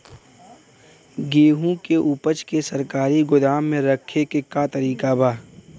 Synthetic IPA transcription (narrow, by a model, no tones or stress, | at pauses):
ɡeːɦũkeʔupət͡ʃkesɐɾkaːɾiɡʊd̪aːmːẽɾəkʰːekekat̪ɐɾiːkabʱaː